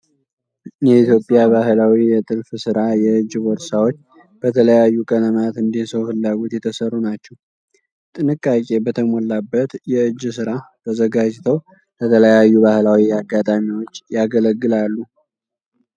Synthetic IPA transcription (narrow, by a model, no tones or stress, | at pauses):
jɛit̪ʰjo̞pʼjaβaɦlawijɛt̪ʼɨlfsɨɾajɛɨd͡ʒːbɔɾsawot͡ʃː | b̥ət̪ʰələjajːukʼənəmat̪ɨnd̪isəwhɨlːaɡo̞t̪jɛt̪ʰəsərːunat͡ʃːɛw | t̪ʼɨnɨkʼːakʼe̞bət̪ʰəmolːabːət̪jɛɨd͡ʒːsɨɾat̪ʰəzəɡad͡ʒt̪ʰəw | lət̪ʰələjajːubahlawiaɡːat̪ʼamiwot͡ʃːjaɡələɡːɨlalːu